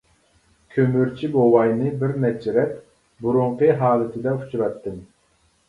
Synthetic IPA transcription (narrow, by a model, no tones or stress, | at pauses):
kʲʰømyɾt͡ʃʰibowɑjnɨbɪɾnɛt͡ʃʰɪɾɛp | buɾuɴqəɦɑːlˠɨt̪ʰɨd̪ɛut͡ʃʰuɾɑt̪ːɨm